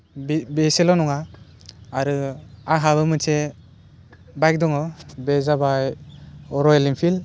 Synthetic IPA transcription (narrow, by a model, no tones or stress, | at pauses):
bbeselɔnɔŋa | aɾɯaɦabɯmɯt͡ʃʰe | bajk̚dɔŋɔbezabajɔɾɔelimpʰil